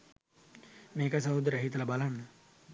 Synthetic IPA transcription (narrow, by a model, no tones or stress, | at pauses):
meːkəs̬ɐɦud̪əɾəɦit̪əlabalanːə